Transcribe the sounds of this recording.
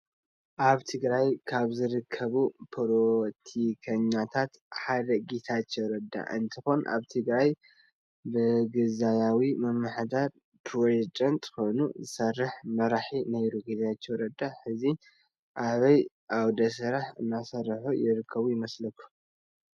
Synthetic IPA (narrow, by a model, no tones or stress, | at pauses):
ʔaβt̪ʰɨɡɾajkʰaβzɨɾɨkʰːɐβupʰoɾot̪ʰikʰɐɲːat̪ʰat̪ | ħad̪ɐɡet̪ʰat͡ʃːowɾɐd̪ːa̰ʔɨ̰nt̪ʰɨxo̞nʔa̰βt̪ʰɨɡɾaj | bɨɡɨzajawimɐmːɨħd̪aɾ | pʰɾod͡ʒɛt͡ʃʼɐnt̪ʼko̞jnṵzɨsɐrːɨħmɐɾaħinɐjɾuɡet̪at͡ʃːowɾɐd̪aħɨzi | ʔaβɐj | ʔawd̪ɐs̬ɐɾaħɨnːasɐɾħujɪɾɨkʰːɐβujɪmɐslɐkʰːu̥